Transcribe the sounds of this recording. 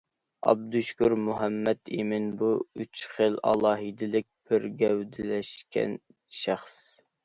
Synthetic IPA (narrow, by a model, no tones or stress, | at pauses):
ɑ̰b̚d̪uʃkʲuɾmuɦɛmːɛt̪ʰemɪnbuyt͡ʃχəlɑ̰lˠɑːɦid̪ɪlɪk̚ʲb̥ɪɾɡʲɛwd̪ɪlɛʃkʲɛ̰n | ʃæχs